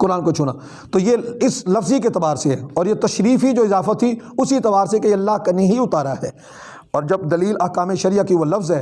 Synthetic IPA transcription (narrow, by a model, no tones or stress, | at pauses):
kʊɾaːnkot͡ʃʰʊna̰ː | t̪ojeɪslɐfziket̪ɐbaːɾseɦɛːɔːɾjet̪ɐʃɾiːfid͡ʒoːɪzaːfat̪ʰːiʊsit̪ɐbaːɾsekeeɐlːaɦkanɐ̃ɦiʊt̪aːɾaɦɛː | ɔːɾd͡ʒɐb̚d̪ɐliːlɐɦkaːmeʃɐɾɪjakiʋolɐfzɦɛː